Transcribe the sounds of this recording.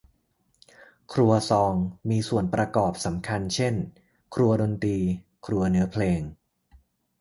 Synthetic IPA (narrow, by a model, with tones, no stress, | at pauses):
kʰɾu˧ɐsɔː˧ŋmiː˧su˨˩ənpɾa˧kɔː˨˩p̚sa˩˦mkʰa˧nt͡ɕʰe˥˩n | kʰɾu˧ɐdo˧nt̪iː˧ | kʰɾu˧ɐnɯ˦ɐpʰleː˧ŋ